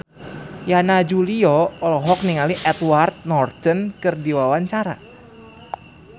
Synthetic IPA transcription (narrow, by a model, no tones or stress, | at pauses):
janad͡ʒuliɔɔlɔɦɔk̚niŋaliʔɛt̪wart̪̚nɔrt̪ənkɨrdiwawaɲt͡ʃaɾa̰